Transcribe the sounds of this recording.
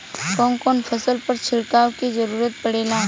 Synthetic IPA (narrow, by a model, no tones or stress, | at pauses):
kɔ̃ːŋkɔːnfʰɐsəlpɐɾt͡ʃʰɪɽkaːwkizɐɾuːɾət̪̚pɐɽeːlaː